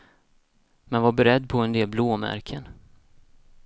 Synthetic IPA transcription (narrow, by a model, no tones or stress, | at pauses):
mɛnvabɛɾɛd̪ːpʰɔɛnd̪eːlbloːmæ̰ɾkʰən